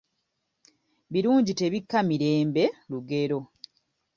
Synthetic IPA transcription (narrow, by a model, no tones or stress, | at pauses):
βiɾuːɲɟite̞βikːamiɾe̞ːmbe̞luɡe̞ɾo̞